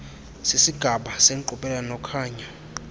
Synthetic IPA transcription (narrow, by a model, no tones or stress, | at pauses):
sisiɡ̥ʱaɓaseŋǃuɓʼɛlanɔkʰaːɲa